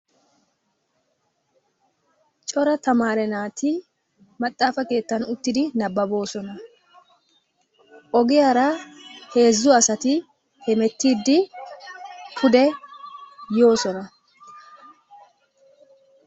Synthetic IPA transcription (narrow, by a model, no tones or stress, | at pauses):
t͡ʃʼɔɾɐt̪ɐmaːɾɛnaːt̪ɪ | mɐt̪ʼːaːfɐke̞ːt̪ːɐnʊt̪ːɪd̪ɪnɐbːɐbo̞ːsɔnɐ | ʔɔɡɪjaɾɐhe̞ːzːʊɐsɐt̪ɪ | hɛmɛt̪ːiːd̪ːɪ | kʰʊd̪ɛ | jo̞ːsɔnɐ